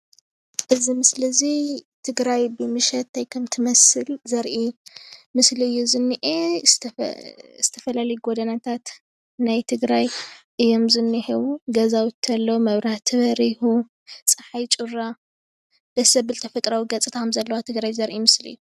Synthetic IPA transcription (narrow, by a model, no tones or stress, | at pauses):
ʔɨzimɨslɐzit̪ʰɨɡɾajbɨmɨʃɛt̪̚ajkʰɐmt̪ʰɨmɐsɨlzɐɾʔimɨsliɨjːuzɨnːɨʔe | z̥ɨt̪ʰɐfɐlalɐjuɡod̪ɐnɐt̪ʰat̪ | najt̪ʰɨɡɾajʔɨjːo̞mzɨnːɨħiβuɡɐzawt̪ʰɐlːowmɐβɾaht̪ʰɨβɐɾihu | sʼɨħajt͡ʃʼuɾa | d̪̥ɐsɐbɨlt̪ʰɐfɐt̪ʼɾawiɡɐt͡sʼit̪ʰamzɐlːɐwat̪ʰɨɡɾajzɐɾʔimɨslɨ̰jːu